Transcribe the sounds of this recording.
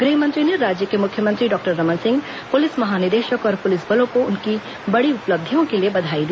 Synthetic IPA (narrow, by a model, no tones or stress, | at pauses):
ɡɾiɦmə̃nt̪ɾiniɾːaːd͡ʒjəkemʊkʰjəmə̃nt̪ɾiɖɔːk̚ʈəɾːəmənsɪ̃ŋɡ | pʊlɪsmɐɦanɪɾd̪eːʃəkɔːɾpʊlɪsbəlõkoʊnki | bɐɽiʊpləb̚d̪ʱijõkeliebɐd̪ʱaːid̪i